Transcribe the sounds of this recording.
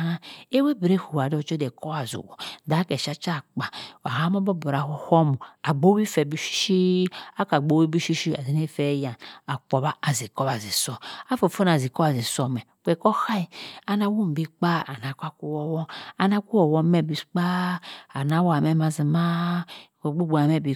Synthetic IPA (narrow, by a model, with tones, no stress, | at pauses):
a˦e˦we˦bi˨ɾe˦˨hu˨wa˨dɔ˦˨t͡ʃo˦dɛ˨kɔ˦wa˨zṵ˨wɔ̰˨da˨˦kɛ˨ʃa˦t͡ʃa˦˨k͡pa˨wa̰˨ha˦m˦o˦bɔ˦bo˨ɾa˨ho˦ho˦mu˨a˨ɡ͡bo˦wi˦fɛ˨bi˦ʃi̥˦ʃi˦a˦ka˨ɡ͡bo˨˦wi˦bi˦ʃi˦ʃi˦a˨zi˨ne˦fɛ˦ja˨a˨k͡po˨ba˦a˨zi˨kɔ˦βa˨zi˨sɔ˦˨a˦fo˨fo˦n˨a˨zi˨kɔ˦a˨zi˨sɔ˨mɛ˨k͡pʷɛ˨kɔ˦ha˦i˨a˨na˦wu˦m˨bi˦k͡pa˦a˨na˨kʷa˦ku˦wɔ˦wɔ˦a˨na˦ku˦wɔ˨wɔ˦mɛ˦˨bi˨sk͡pa˦a˨n˨a˨˦wa˨mɛ˦ma˨zi˨ma˦˨ | ɡ͡bo˦ɡ͡bu˨a˨mɛ˦˨bi˨